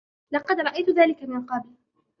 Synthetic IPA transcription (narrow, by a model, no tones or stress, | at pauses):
lɑqɑd̪ɾˤɑʔajt̪ʊðaːlɪkamɪnqɑbɪl